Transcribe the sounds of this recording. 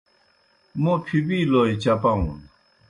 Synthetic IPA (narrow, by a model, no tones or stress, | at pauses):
mopʰyp̬ilojit͡ɕapaŋɔ̰n